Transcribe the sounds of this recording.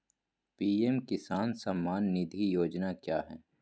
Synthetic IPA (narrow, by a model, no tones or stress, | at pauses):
piːɛmkɪsaːnsɐmːaːnːɪd̪ʱijoːd͡ʒnakjaːɦɛː